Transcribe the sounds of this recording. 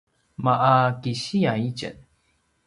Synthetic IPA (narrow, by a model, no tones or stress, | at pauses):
maʔakiɕiait͡ɕə̰n